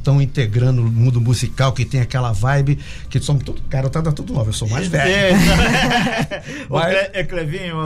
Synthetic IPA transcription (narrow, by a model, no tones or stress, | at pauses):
t̪ɐ̃w̃ĩnt̪eɡɾɐ̃nd̪ʊmũd̪ʊmuzikawkɪt̪ẽj̃akɛlɐvajbɪ | kɪsõm̃t̪ud̪ʊkaɾɐewt̪ad̪at̪ud̪ʊnovewsomajzvɛẽt̪ɐ̃ | eeklevĩɲ